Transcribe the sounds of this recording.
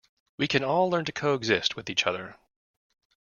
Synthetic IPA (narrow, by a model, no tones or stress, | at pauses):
wikʰɨ̃nɔlˠlɜ̃˞ntɨkʰoʊəɡzɪst̚wɨðit͡ʃʌðə˞